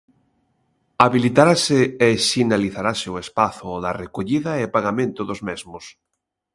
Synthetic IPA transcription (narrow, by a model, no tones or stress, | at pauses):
aβilit̪aɾasɪesinaliθaɾasɪoespaθʊoðarekoʎiðaepaɣamẽnt̪ʊðozmezmʊs